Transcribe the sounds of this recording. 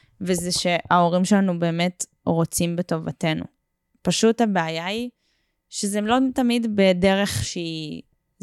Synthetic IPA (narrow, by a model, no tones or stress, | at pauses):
vezɛʃe̞ʔao̞ʁimʃelanube̞ːme̞t | ʁo̞t͡simbeto̞vate̞nṵ | paʃuthabeajai | ʃezɛmlotamidbedeʁeχʃei